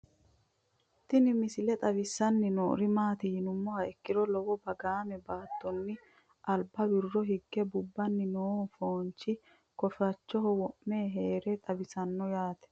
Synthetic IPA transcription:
t̪ːɪnɪmɪsɪlɛt̪ʼɐbɪsːɐnːɪno̰ːɾɪmaːt̪ɪhɪnʊmːɔɐɛkːɪɾɔlɔwɔbɐɡaːmɛbaːt̪ːɔnːɪ | ʔɐlbɐbɪrːɔɦɪɡːɛbʊbːɐnːɪnoːnfoːnt͡ʃːɪ | kɔfɐt͡ʃːɔɦɔwɔʔmeːɦe̞ːɾɛt̪ʼɐbɪsɐnːɔjaːt̪ɛ̥

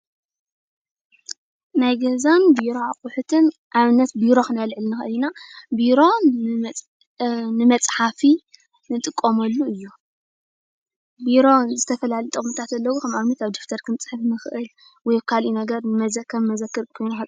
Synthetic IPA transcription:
najɡɐzanbiɾoaχʼʊħut̪ʰɨnʔaβɨnːɐt̪̚biɾo̞xɨnalʕɨlnɨxɨ̰ʔɨlinabiɾo̞ | nɨmɐt͡sʼħafi | nɨt̪ʼɨkʼːomɐlːuɨjːu | biɾo̞zɨt̪ʰɐfɐlalit̪ʼɐmɨt̪ʰat̪ɐlːɐwukʰɐmʔaβnɐt̪aβd̪oft̪ʰɐɾkʰɨnt͡sʼɨħɨfnɨxɨʔɨl | wɔjkʰalʔinɐɡɐɾnɨmɐzɐkʰːɐmmɐzɐkːɨɾkʰojnuxɐ

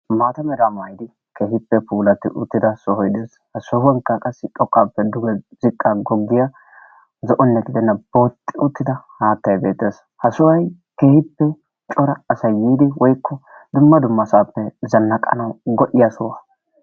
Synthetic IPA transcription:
maːt̪ɐmɛd̪aːmaːjɪd̪ɪ | keːhɪpːɛpuːlɐt̪ːɪ̰ʔʊt̪ːɪd̪ɐsɔhɔjd̪eːs | hɐsɔhwɐŋkːɐkʼɐsːɪt̪ʼɔkʼːaːpːɛd̪ʊɡɛzɪkʼːaɡɔɡːɪjɐ | zɔʔɔnːɛɡɪd̪ɛnːɐb̥o̞ːt̪ʼːɪʊt̪ːɪd̪ɐhaːt̪ːɐjbeːt̪ːeːs | hɐsɔwɐj | ke̞ːhɪpːɛ | t͡ʃʼɔɾɐːsɐjiːd̪ɪwʔɔjkːɔd̪ʊmːɐd̪ʊmːɐsaːpːɛzɐnːɐkʼːɐ̰nɐwɡɔʔɪjɐsɔwaː

